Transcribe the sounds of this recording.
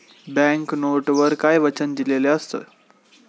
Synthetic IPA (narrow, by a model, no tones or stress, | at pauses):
bɛ̃ŋknoʈʋəɾkajʋət͡ɕənd̪ileleəst̪ə̰ː